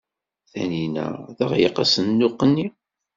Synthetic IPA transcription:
θæ̰ninæ̰ðəʁjəqɑsənːʊqːənːi

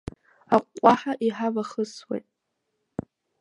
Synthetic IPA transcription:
aqʷːʼaħaʔiħavaχəswḛjtʼ

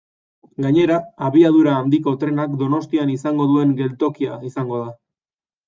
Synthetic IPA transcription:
ɡaɲe̞ɾaːβiað̞uɾaːnd̪iko̞t̪ɾe̞nakd̪o̞no̞st̪ianisaŋɡo̞ðue̞ŋɡe̞lt̪o̞kiaisaŋɡo̞ð̞a

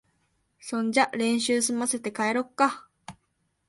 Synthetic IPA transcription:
sõ̞ɲd͡ʑaɾẽ̞ɰ̃ɕɨːsɨmaset̪e̞kaeɾokːa

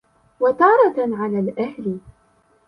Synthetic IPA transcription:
wat̪ɑːɾˤɑʕalaːlʔahlɪ

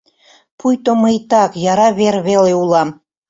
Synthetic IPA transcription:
pʰujt̪oməjt̪ɑkjɑɾɑβeɾβeleulɑm

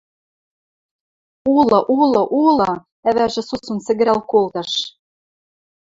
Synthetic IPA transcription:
ulˠɤ̆ʔulˠɤ̆ʔulˠɤ̆ | æβæʒɘ̆susunsɘ̆ɡɘ̆ɾælkolˠt̪ɤ̆ʃ

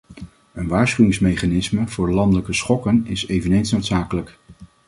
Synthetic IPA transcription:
ənʋaːɹsχyɪŋsmejχaːnɪsməv̥ʊːɹlɑndələkəsχɔkənɪsejvənejnsnowtsaːkələk

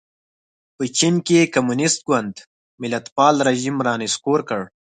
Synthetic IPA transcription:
pət͡ʃinkekamunɪst̪̚ɡwand̪ | mɪlat̪pɑːlɾaʒimɾɑːnɪskoɾkəɽ

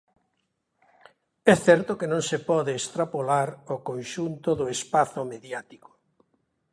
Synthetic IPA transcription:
ɛθɛɾt̪okenõŋsepɔðeːst̪ɾapolaɾokonʃunt̪oðʊespaθʊmeðjat̪iko̥

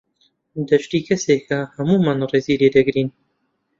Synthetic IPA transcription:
d̪ɐʃt̪iːkʰɐseːkʰɐhɐmuːmanreːziːɾed̪ɐɡɾiːn

